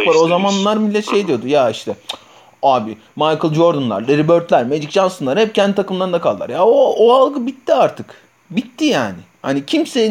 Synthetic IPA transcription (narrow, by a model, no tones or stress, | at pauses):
aɾo̞zamanlːˠaɾmilʲːɛt̪ʃejd̪ijo̞d̪ujaiʃt̪ʰɛ | aːbi | majkɯlˠd͡ʒo̞ɾd̪unlˠa̰ɾlʲeɾibøɾt̪lʲæɾmed͡ʒikʒansɯnlˠaɾhɛp̚cʰɛnd̪it̪ʰakɯmlˠaɾɯnd̪akʰalˠd̪a̰ɾjaooalˠɡɯbit̪ʰːiaɾt̪ʰɯk | bit̪ʰːijaːnɪ | hanicʰimse